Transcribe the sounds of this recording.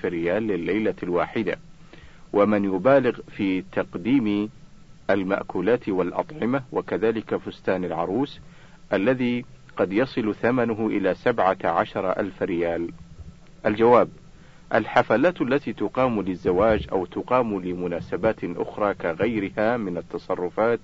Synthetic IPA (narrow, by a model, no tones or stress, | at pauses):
fɪɾɪjaːlːɪlːajlalwaːħɪd̪a̰ | wʔamɪnjʊbaːlɪɣfiːt̪ɑqd̪iːm | ʔalma̰ʔkuːlaːt̪walʔɑ̰t̪ˤʕɪmawakaðaːlɪkafʊst̪aːnalʕɑɾˤuːs | ʔalːaðiːqɑd̪jɑsˤɨlθamanʊɦʔɪ̰laːsabʕaʕaʃɑɾˤɑʔa̰lfɾɪjaːl | ʔald͡ʒawaːb | ʔalħafaːlaːt̪ʔalːat̪iːt̪ʊqɑːmlɪzːawaːd͡ʒʔa̰wt̪ʊqɑːmlɪmʊnaːsabaːt̪ʔʊ̰xɾˤɑːkaɣajɾɪhaːmɪnat̪ːɑsˤɑrˤːʊfaːt̪